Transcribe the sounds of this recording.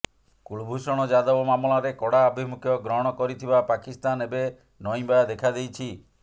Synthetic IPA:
kuɭbʱusɔɽ̃ɔd͡ʒad̪ɔbɔmamɔlaɾekɔɽaɔbʱimukʰjɔɡɾɔɦɔɽ̃ɔkɔɾit̪ʰibapakist̪anebe | nɔj̃bajad̪ekʰad̪ejt͡ʃʰi

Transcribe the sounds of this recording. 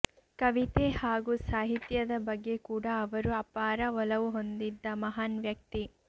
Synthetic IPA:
kɐʋit̪ehaːɡusaːɦit̪jɐd̪ɐbɐɡːe̞kuːɽɐːʋɐɾuɐpaːɾɐʋɔlɐʋuɦo̞nd̪id̪ːɐmɐɦaːnʋjɐk̚t̪i

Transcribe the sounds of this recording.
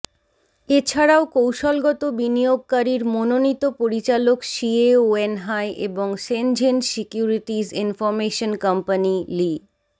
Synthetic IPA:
et͡ɕʰaɽaokowʃɔlɡɔt̪obinijoɡ̚kaɾiɾmononit̪opoɾit͡ɕalokʃieoenɦaeʔḛboŋʃend͡ʑensikjuɾiʈid͡ʑinfɔɾmeʃonkampanili

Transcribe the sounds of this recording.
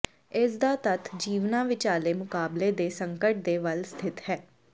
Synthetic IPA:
ɪsd̪aːt̪ət̪ʰd͡ʒiːʋnãːʋɪt͡ʃaːleːmʊkaːbleːd̪eːsəŋkəʈ̚d̪eːʋəlst̪ʰɪt̪hɛː

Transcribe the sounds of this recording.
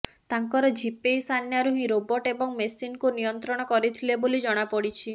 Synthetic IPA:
t̪aŋkɔɾɔd͡ʒʱipejsʰanjaɾuɦĩɾobɔʈebɔŋmesinkunijɔnt̪ɾɔɽ̃ɔkɔɾit̪ʰilebolid͡ʒɔɽ̃apɔɽit͡ʃʰi

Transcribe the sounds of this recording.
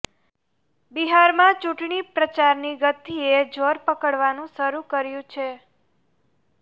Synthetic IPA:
biɦaɾmãt͡ʃũʈɳipɾət͡ʃaɾniɡət̪ʰied͡ʒoɾpəkəɽʋanũʃəɾukəɾjũt͡ʃʰe

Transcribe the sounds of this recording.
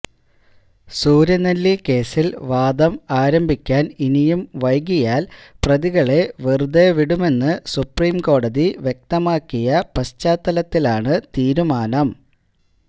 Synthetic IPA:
suːɾjɐnɐlːike̞ːsilʋaːd̪ɐmaːɾɐmbʱikʲːaːninijumʋɐjɡijaːlprɐðiɣɐɭe̞ʋird̪eʋiɽume̞nːɨsupriːmko̞ːɽɐðiʋjek̚t̪ɐmaːkːijɐpɐst͡ɕːaːt̪ːɐlɐt̪ːilaːɳɨt̪iːɾumaːnɐm

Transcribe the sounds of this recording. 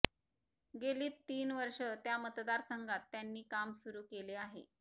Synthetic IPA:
ɡeliːt̪ːiːnʋəɾʂət̪jamət̪d̪aɾsəŋɡat̪ːjanːiːkamsuɾuːkeleaɦḛ

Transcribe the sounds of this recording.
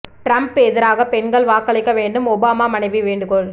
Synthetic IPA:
ʈɾɐmpːeːðɪɾaːɣɐpɛɳɡɐɭʋaːkːɐɭɐɪkːɐʋeːɳɖɯmɔbaːmaːmɐnɐɪʋiʋeːɳɖɯkɔɭ

